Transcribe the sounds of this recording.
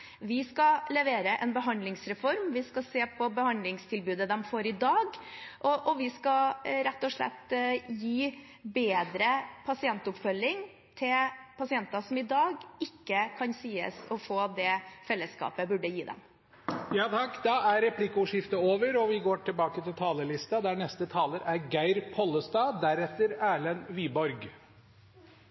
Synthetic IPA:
ʋɪskɑlɛʋeːɾəʔɛnbəɦɑnd̪lɪŋsɾɛfɔɾmʋɪskɑseːpʰɔbəhɑnd̪lɪŋst̪ʰɪlbʉːd̪əd̪ɛmfoːɾɪd̪ɑːɡʔɔʔɔʋɪskɑɾɛt̪ːɔʂɭɛ̰t̪ːjiː | beːd̪ɾəpʰɑsɪɛnt̪ʊpfœlːɪŋ | t̪ʰɪlpʰɑsɪɛnt̪ɑsɔmɪd̪ɑːɡɪkːəkʰɑnsiːə̰sɔfoːd̪ɛfɛlːəskɑ̰ːpəbʉɖəjiːd̪ɛ̰m | jɑːt̪ʰɑkːd̪ɑæɾɾɛpʰlɪkʊʂɪft̪əoːʋəɾɔʋɪɡoːʈʰɪlbɑːkət̪ʰɪlt̪ʰɑːləɭɪst̪ɑd̪æɳɛst̪ət̪ʰɑːləɾæɾɡæɪɾpʰɔlːəst̪ɑːd̪æɾɛt̪ːəɾæːɭənʋiːbɔɾɡ

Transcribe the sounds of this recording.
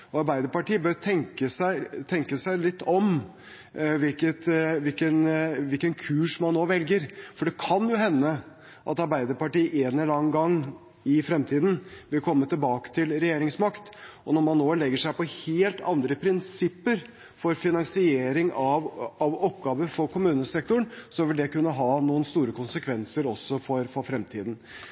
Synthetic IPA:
ɔɑɾbæɪd̪əɾpɑʈiːəbøɾt̪ʰɛŋkəsæɪt̪ʰɛŋkəsæɪlɪt̪ːɔm | ʋɪlkət̪ʋɪlkənʋɪlkənkʰʉːʂmɑnːoːʋɛlɡəɾfɔɖɛkʰɑnjʊɦɛnːə | ʔɑ̰t̪ɑɾbæɪd̪əɾpɑʈiːʔeːnɛllɑŋɡɑŋː | ɪfɾɛmt̪ʰiːd̪n̩ʋɪlkʰɔmːət̪ʰɪlbɑːkə̥t̪ʰɪlɾɛjeːɾɪŋsmɑkt̪ɔnɔɾmɑnːoːlɛɡːəʂæɪpɔheːlt̪ɑ̰nd̪ɾəpʰɾɪnsɪpːəɾ | fɔɾfɪnɑŋsɪeːɾɪŋɑʋɑʋɔpɡɑːʋəfɔɾkʰʊmʉːnəsɛk̚t̪ʊɳsɔʋɪld̪ɛkʉnːəɦɑːnuːənst̪uːɾəkʊnsəkʰʋɛnsəɾɔsːɔfɔɾfɔɾfɾɛmt̪ʰḭːd̪n̩

